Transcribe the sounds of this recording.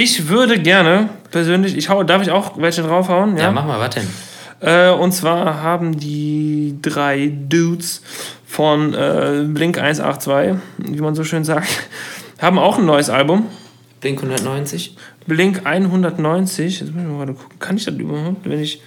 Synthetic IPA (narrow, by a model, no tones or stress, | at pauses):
ʔɪçvʏɐdəɡɛɐnəpʰɛɐzøːnlɪçɪçhaʊədaɐfɪçaʊxvɛlçədʁaʊfhaʊənjaa̰ːmaχmaːvatd̥ɛn | ʔɛːʊntt͡sv̥aːɐɦaːbm̩diːdʁaɪduːts | fɔnʔɛ̰ːblɪŋkʔa̰ɪnsʔa̰ːχtt͡sv̥aɪviːmanzoːʃøːnzaːk̚thaːbm̩aʊxn̩ːɔʏəsʔa̰lbʊm | b̥lɪŋkhʊndɐtnɔʏnt͡sɪçb̥lɪŋkʔaɪnɦʊndɐtnɔʏnt͡sɪçjɛt͡smʊsadkʰʊ̥kŋ̩kʰanɪçd̥aːdy̰bɐhaʊp̚tvɛnɪç